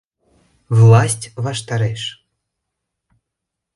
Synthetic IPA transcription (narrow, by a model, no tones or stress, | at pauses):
wlˠasʲt͡sʲvaʂt̪aɾɛʂ